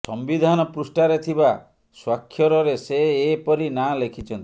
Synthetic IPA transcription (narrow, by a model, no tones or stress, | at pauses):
sɔmbid̪ʱanɔpɾusʈaɾet̪ʰiba | swakʰːjɔɾɔɾeseːpɔɾinalekʰit͡ʃʰɔnt̪i̥